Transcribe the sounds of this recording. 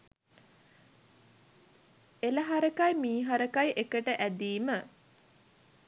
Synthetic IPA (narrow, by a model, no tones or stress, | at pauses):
eləɦaɾəkajmiːɦaɾəkajʔekəʈəʔæd̪iːmə